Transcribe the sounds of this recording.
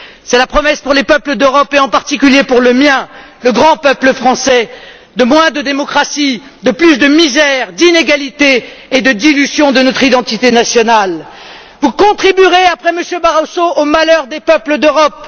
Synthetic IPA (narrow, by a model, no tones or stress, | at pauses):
sɛlapχɔmɛspuʁlepœpləd̪øʁɔpeɑ̃paʁt̪ikʲyljepuʁləmjɛ̃ | ləɡʁɑ̃pœpləfχɑ̃sɛ | d̪əmwɛ̃d̪əd̪emɔkχasid̪əplysd̪əmizɛʁd̪ineɡalit̪eːd̪əd̪ilyzjɔ̃d̪ənɔt̪χid̪ɑ̃t̪it̪enasjɔnal | vukɔ̃t̪χibyʁeapχɛməsjøbaʁosoomalœʁd̪epœpləd̪øʁɔp